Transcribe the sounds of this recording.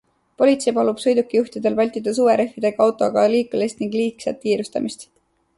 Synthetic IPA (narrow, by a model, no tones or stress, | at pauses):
po̞lʲit̪se̞jpɑlub̥sɤjd̪ukːijuxt̪id̪̥e̞lvɑlʲt̪id̪̥ɑs̬uːeɾe̞fːid̪̥e̞ɡɑɑwt̪ːˑo̞ɡɑliːkːˑulest̪niŋɡ̥liːksɑt̪ːkiːɾust̪ɑ̰mist̪